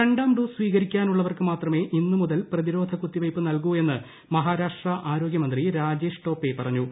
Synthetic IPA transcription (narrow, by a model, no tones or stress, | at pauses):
eɳɖaːmɖusʋiːɣɐɾikʲːaːnuɭːɐʋɐrkɨmaːt̪rɐme̞ːʔinːɨmuðɐlprɐðiɾo̞ːd̪ʱɐkut̪ːiʋɐjpːɨnɐlk̬ue̞nːɨ | mɐɦaːɾaːʂʈrɐʔaːɾo̞ːɡjɐmɐnd̪riɾaːd͡ʑe̞ːʂʈo̞ːpːe̞pɐrɐɲːu